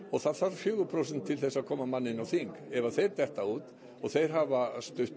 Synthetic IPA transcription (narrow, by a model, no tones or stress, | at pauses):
ɔɣθaðθaɾfjʏːɣʏpʰɾowsɛnt̪ʰːɪlθɛsːaðkʰɔːmamanːɪnawθiŋkɛvaθejɾt̪ɛht̪auːt̪ | ɔɣθejɾ̥ɦavast̪ʏh